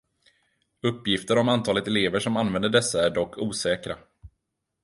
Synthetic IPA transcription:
ɵpːjɪft̪əɾɔmant̪ʰɑːlət̪ɛleːvəʂɔmanvɛnd̪əɖɛsːaæɖɔkʰːuːsɛːkɾa

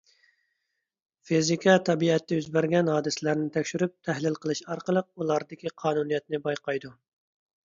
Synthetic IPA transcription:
fizikʲʰɑt̪ʰɑbiɛt̪ːɪyzbæɾɡʲɛnhɑːd̪ɨsɪlæɾnɪt̪ʰɛkʲʃyɾyp̚t̪ʰæhlɪlqəlˠɨʃɑɾqəlˠəq̚ulˠɑɾd̪ɪkʲiqʰɑːnunijɛt̪̚nɪbɑjqɑjd̪u

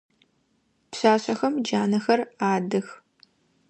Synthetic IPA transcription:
pɕaːɕʼɐxɐmd͡ʒaːnɐxɐraːdɨx

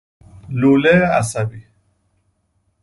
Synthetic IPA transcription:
lulea̰sabi

